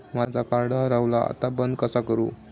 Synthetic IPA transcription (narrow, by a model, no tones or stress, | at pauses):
mad͡zʱakaɾɖəɦɾawla̰a̰t̪abənd̪kəsakəɾṵː